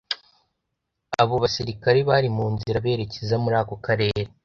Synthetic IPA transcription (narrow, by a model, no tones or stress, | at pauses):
aβo̞βasiɾikaɾeβaɾimuːnziɾaβe̞ːɾe̞cezamuɾaːko̞kaɾe̞ːɾe